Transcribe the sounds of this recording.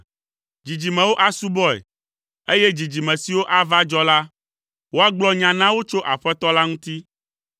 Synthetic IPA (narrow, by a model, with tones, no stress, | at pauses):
d͡ʒi˨d͡ʑi˨mɛ̃˨wo˦ʔa˦su˦bɔ˦ɛ̰˨ | e˦je˦d͡ʑi˨d͡ʑi˨mɛ̃˨si˨wo˦ʔa˦va˦d͡ʒɔ˦la˦ | wo˦a˦ɡ͡blɔ˦ɲã˨nã˦wo˦t͡ʃo˦ʔa˨ɸɛ˦t̪ɔ˦la˦ŋũ˦t̪i˦